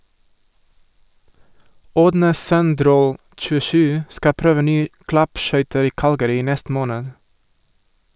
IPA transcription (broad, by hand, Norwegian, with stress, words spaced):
ˈoːdnə ˈsœnˌdɾoː t͡ʃʉˈʃʉː ˈskɑ ˈpɾøːʋə ˈnyːə ˈklɑpˌʃœʏtəɾ ˈiː ˈkɑlɡəɾɪ ˈiː ˈnɛst ˈmoːnəd